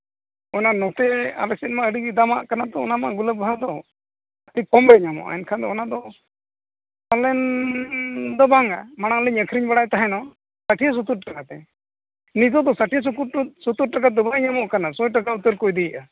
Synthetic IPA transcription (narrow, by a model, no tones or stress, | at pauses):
ɔnanɔt̪ɛa̰lɛsɛt̪̚maəɖid̪ama̰ʔkanad̪ɔːnamaʔɡuləbʱad̪ɔ | ʈipɔmɾɛɲamɔ̰ʔa̰ɛnkʰand̪ɔɔnad̪ɔ | alɛn | d̪ɔbaŋa̰maɽ̃aŋləɲəkʰɾiɲbaɽajt̪aɦɛnɔ | saʈʰijas̬ut̪uɾʈakat̪ɛ | nit̪̬ɔd̪ɔsaʈʰias̬ukuɾsut̪uɾ̚ʈakat̪ɔbaɲamɔʔkanasɔjʈakaut̪əɾkɔjd̪ijəʔa